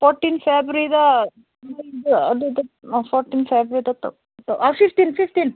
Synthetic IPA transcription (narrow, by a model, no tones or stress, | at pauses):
foːɾʈːinfeːbɾid̪ɐ | id̪ɐ̰d̪d̪ɐfʰoːɾʈːiːnfeːbɾid̪ɐt̪ɐ̰ | t̪ɐɐfift̪infift̪in